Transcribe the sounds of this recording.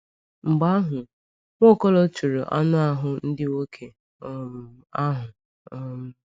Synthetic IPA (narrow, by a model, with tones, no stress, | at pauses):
ŋ͡m̩˨ɡ͡ba˦ɦʊ˨ | ŋʷo˦˨kɔ˦lo˦t͡ʃu˨ɾʊ̰˨ʔɔ˦nʊ˦a˦ɦʊ˨n̩˦dɪ˦wo˦kʰe˨˦˨ | a˦ɦʊ˨ | ɔ˦m̩˦